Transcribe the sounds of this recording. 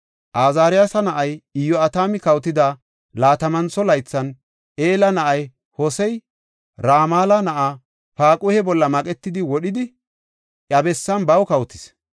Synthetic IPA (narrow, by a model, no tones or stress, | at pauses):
ʔaːzaːɾɪjasɐnɐʔɐjɪjɔɐt̪aːmɪkɐwt̪ɪd̪a | laːt̪ɐmɐnt͡sːɔlɐjt͡sːɐn | ʔeːlɐnɐʔɐj | hɔsɛj | ɾaːmaːlɐnɐʔaː | paːkʼʊhɛbɔlːɐmɐkʼɛt̪ːɪd̪ɪwɔɗɪd̪ɪ | ʔɐbɛsːɐnbɐwkɐwt̪ɪ̥s